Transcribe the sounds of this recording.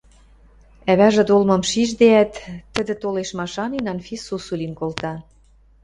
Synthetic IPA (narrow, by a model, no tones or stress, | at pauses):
æβæʒĕd̪olmɤ̆mʃiʒd̪eæt̪ːə̆d̪ɘ̆t̪oleʃmɑʃɑninɑnfisusulʲinkolt̪ɑ